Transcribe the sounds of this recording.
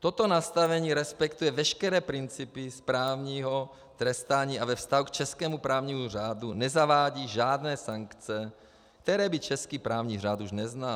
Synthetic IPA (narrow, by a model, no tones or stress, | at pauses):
t̪ot̪onast̪avɛɲiːɾɛspɛkt̪ujɛvɛʃkɛɾɛːpɾint͡sipispɾaːvɲiːɦo | t̪ɾɛst̪aːɲiːavɛfst̪aɦukt͡ʃɛskɛːmupɾaːvɲiːmur̝aːd̪unɛzavaːɟiːʒaːd̪nɛːsaŋkt͡sɛ | kt̪ɛɾɛːbit͡ʃɛskiːpɾaːvɲiːr̝aːt̪uʒnɛzna